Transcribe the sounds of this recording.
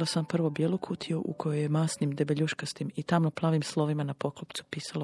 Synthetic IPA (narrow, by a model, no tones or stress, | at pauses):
losampr̩ʋo̞bjelˠokʰut̪ʰiuʔṵkʰojojemaːsnimd̪ebeʎuʃkast̪imit̪amnoplˠaːʋimslˠo̞ʋimanapo̞klopt̪su̥piːsalo